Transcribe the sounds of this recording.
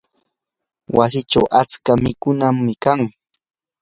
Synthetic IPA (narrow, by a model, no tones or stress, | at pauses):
wa̰sɪʈ͡ʂawʔat͡skamɪkʊnamːɪkaŋ